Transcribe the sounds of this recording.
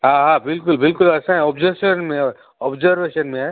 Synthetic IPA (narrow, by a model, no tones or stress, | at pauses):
ɦãːɦãbɪlkʊlbɪlkʊlɐsãɦɛ̃ɔːbzəʃənmẽɔ | ɔbzəɾʋeːʃənmẽɦɛ